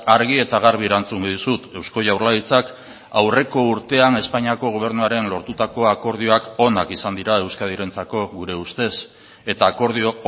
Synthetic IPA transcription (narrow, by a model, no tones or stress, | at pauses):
aɾɣie̞t̪aɣ̞aɾβie̞ɾant͡suŋɡoðusut̪e̞wsko̞ʝawɾlait͡sak | awre̞ko̞uɾt̪e̞ane̞spaɲiako̞ɣ̞o̞β̞e̞ɾnuaɾe̞nlo̞ɾt̪ut̪ako̞ako̞ɾð̞io̞ako̞nakisand̪iɾae̞wskað̞iɾe̞nt͡sako̞ɣuɾe̞ust̪e̞s | e̞t̪aːko̞ɾð̞io